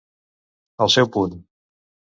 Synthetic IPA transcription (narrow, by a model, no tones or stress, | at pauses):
əlˠsɛwpun